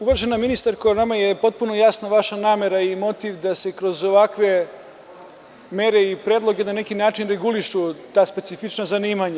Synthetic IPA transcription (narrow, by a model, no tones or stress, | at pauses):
uʋaʒenaminist̪aɾkojnamajepo̞t̪̚punojasnaʋaʃanaːme̞ɾaimo̞t̪iʋd̪ase̞kɾo̞zo̞ʋakʋe̞ | meɾe̞ipɾeːd̪lˠo̞ɡenane̞kinaːt͡ʃinɾe̞ɡuliʃut̪aːspet̪sifit͡ʃnazaniːmaɲa